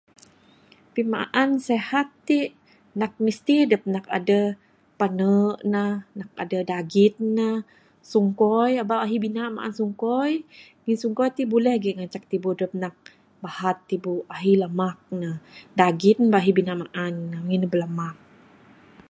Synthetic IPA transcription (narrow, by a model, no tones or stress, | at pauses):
pimaʔansehat̪ːiʔ | nak̚mist̪idəp̚naka̰də | panəʔnanak̚a̰dədaɡit̪̚na | suŋkɔjabaʔaɦibinaʔma̰ʔa̰nsuŋkɔj | ŋinsuŋkɔjt̪ibulɛhɡiʔŋant͡ʃak̚t̪ibudəp̚nak̚ | bahat̪ːibuaɦilamak̚nadaɡit̪̚nbaʔaɦibinaʔmaʔanːaŋinəbəlamak̚